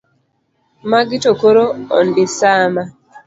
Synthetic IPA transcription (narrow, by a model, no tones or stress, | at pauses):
maɡitokoɾoɔ̰ndisaːma